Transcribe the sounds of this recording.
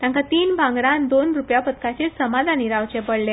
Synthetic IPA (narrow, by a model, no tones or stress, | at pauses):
t̪jãŋkat̪iːnbʱãŋɡɾãnd̪onɾupjapət̪kat͡ɕesəmad̪ʱaniɾaʋt͡ɕẽpəɽlẽ